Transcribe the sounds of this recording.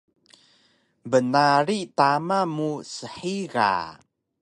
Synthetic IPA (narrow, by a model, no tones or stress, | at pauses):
bənaɾit̪amamusəħiɣa̰